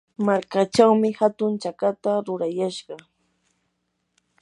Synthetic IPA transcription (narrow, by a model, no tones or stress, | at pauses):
maɾkat͡ʃawmɪhat̪ʊnt͡ʃakat̪aɾʊɾajaʃɢɑ